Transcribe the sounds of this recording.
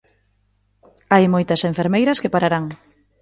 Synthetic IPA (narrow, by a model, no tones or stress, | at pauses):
ajmojt̪ɐseɱfeɾmejɾɐskepaɾaɾaŋ